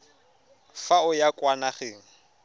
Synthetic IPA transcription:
faʊjakʼwanaχɪːŋ̩

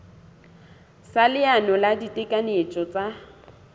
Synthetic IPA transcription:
salɪanɔladitʼɪkʼanet͡ʃʼɔt͡sʼa

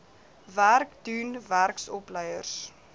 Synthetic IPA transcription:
værkdunværksɔpləjərs

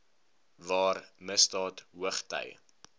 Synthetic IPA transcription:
vɑːrməstɑːtɦuəχtə̰j

